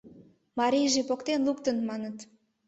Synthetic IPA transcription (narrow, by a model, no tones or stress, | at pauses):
mɑɾʲijʒepokt̪enluk̚t̪ənmɑnət̪